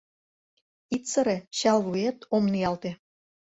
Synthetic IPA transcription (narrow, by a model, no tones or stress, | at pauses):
it̪t͡sə̆ɾeɕɑlvuet̪omniɑlt̪ĕ